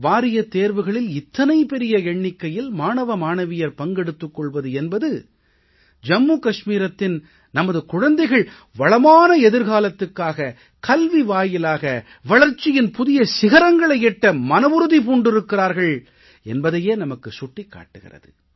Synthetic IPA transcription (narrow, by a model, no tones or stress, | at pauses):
ʋaːɾɪjɐt̪eːɾʋɯɣɐɭɪlɪt̪ːɐnɐɪpɛɾɪjɐɛɳːɪkːɐjɪlmaːɳɐʋɐmaːɳɐʋɪjɐɾpɐŋɡɛɽɯt̪ːɯkːɔɭʋɐðɯɛnbɐðɯ | d͡ʒɐmːuːkɐʂmiːɾɐt̪ːɪn | nɐmɐðɯkʊɻɐnd̪ɐɪɣɐɭ | ʋɐɭɐmaːnɐɛðɪɾɣaːlɐt̪ːɯkːaːɣɐ | kɐlʋiʋaːjɪlaːɣɐ | ʋɐɭɐɾt͡ʃːɪjɪnpʊðɪjɐsɪɣɐɾɐŋɡɐɭɐɪɛʈːɐmɐnɐʋɯɾɯðip̬uːɳɖɪɾɯkːɪraːɾɣɐɭ | ɛnbɐðɐjeːnɐmɐkːɯsʊʈːɪkːa̰ːʈːɯɣɪ̰rɐ̰ðɯ̰